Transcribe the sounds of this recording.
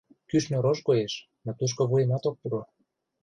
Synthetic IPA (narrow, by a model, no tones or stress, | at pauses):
kyʃnʲoɾoʃkoeʃ | not̪uʃ̬koβuemɑt̪ok̚p̪uɾo